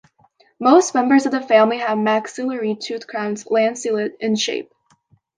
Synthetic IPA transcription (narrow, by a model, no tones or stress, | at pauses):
moʊstmɛ̃mbə˞zʌvðəfæ̃mliəvmæksɨlə˞itʰʉθkʰɹ̥ãʊ̃nzlæ̃nd̥silˠɨɾɨ̃nʃḛɪp̚